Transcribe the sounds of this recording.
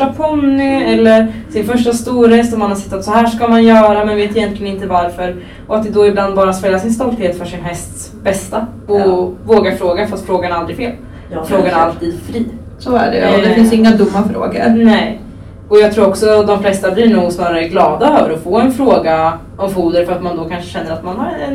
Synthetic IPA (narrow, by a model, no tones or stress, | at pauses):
apʰɔnnːʏɛlːəɾsɪnfœʂʈast̪uːɾhɛst̪ɔmanhasɪ̥t̪ːat̪sɔhæːʂkamanjœːɾamɛnveːt̪ɪjɛnt̪lɪɡənɪnt̪əvaɾfœɾ | ɔat̪̚d̪ɛd̪oːɪbland̪̚bɑːɾat̪spɛlːasɪnst̪ɔlt̪heːt̪fœʂɪnɦɛst̪s | bɛst̪aɔvoːɡaɾfɾoːɡafɔt̪ːfɾoːɡanald̪ɾɪɡfeːl | fɾoːɡanalt̪ʰiːd̪fɾiː | sɔæ̰ɖɛ̰ɔd̪ɛfɪnsɪŋːad̪ʊmːafɾo̰ːɡə̰ɾnɛ | ɔjɑɡt̪ʰɾuːɾɔksɔd̪ɔmflɛst̪ablɪɳuːɡsnɑːɾaɾəɡlɑːd̪aœvəɾɔfoːɛnfɾoːɡa | ɔmfuːd̪əɾfœɾat̪mand̪ɔkʰanʂə̥ɕɛnːəɾat̪manhaɾɛn